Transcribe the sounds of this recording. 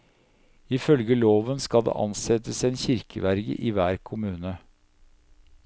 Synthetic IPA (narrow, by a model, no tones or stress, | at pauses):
ɪfœlɡəloːʋənskɑd̪ḛːʔɑnsɛt̪əseːnçɪɾkʰəʋæɾɡə̰ʔiːʋæːɾkʰʊmʉːnə